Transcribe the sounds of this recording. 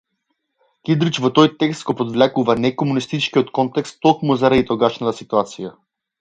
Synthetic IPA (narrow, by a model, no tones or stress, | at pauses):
kid̪ɾit͡ʃvɔt̪ɔjt̪ɛkst̪ɡɔpɔd̪vlɛkuvanɛkɔmunist̪it͡ʃkiɔt̪kɔnt̪ɛkst̪ːɔkmuzaɾad̪it̪ɔɡaʃnat̪asit̪uat̪sija